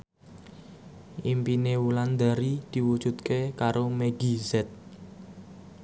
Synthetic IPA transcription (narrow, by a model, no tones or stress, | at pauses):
ʔimpinewuland̪aɾid̪̥i̤wud̥ʒ̥ṳt̪̚kekaɾomeɡizɛt̪̚